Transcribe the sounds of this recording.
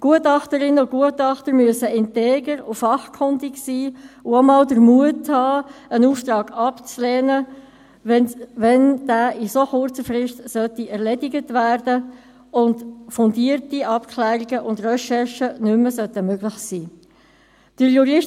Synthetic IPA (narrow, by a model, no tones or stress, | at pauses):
ɡ̥uətɑχtəɾɪnːəʊɡ̥uətɑχtəɾmyəsəɪnteːɡəɾʊfɑχkʰʊndiksiːʊomɑːldəɾmuəthɑːənuːftɾɑːɡ̥ɑpt͡slɛːnə | ɛʋɛnd̥æːʔisoχʊɾt͡səfrɪʃtsœtiʔɛɾlɛdiɡətvæːrdə | ʊntfʊndiːəɾtiʔɑpkʰlæːɾiɡəʔʊndrɛʃɛrʃənʏmːəsœtəmøɡlɪχsiː | d̥əɾjuɾɪʃ